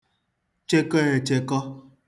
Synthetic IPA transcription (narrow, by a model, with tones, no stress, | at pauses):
t͡ʃe˦ke˦ɾe˨t͡ʃe˦kɔ˦